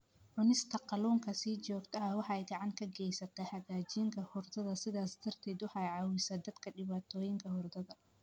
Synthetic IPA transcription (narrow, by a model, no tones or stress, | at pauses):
ʕʊnɪst̪ʰɐqɑluːŋkʰɐsiːt͡ʃɔːɡt̪ʰɐɐwɑħɑɛjɡɑʕɑŋkʰɐɡɛjsɐt̪ʰɐħɑɣaːt͡ʃiːŋkʰɐhʊrd̪ɐðɐsɪðaːsd̪̥ɐrt̪ʰɛːd̪wɑħɑjʕɑːwɪsɐːd̪ɐd̪kʰɐɖɪβaːt̪ʰɔːjɪŋkʰɐhʊrd̪ɐðɐ